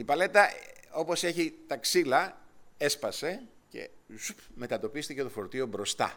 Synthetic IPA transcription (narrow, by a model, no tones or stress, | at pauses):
ipɐle̞t̪ɐo̞po̞se̞çit̪ɐksilɐe̞spɐse̞ | ce̞̰supme̞t̪ɐt̪o̞pist̪ice̞t̪o̞fo̞ɾt̪io̞bɾo̞st̪ɐ̰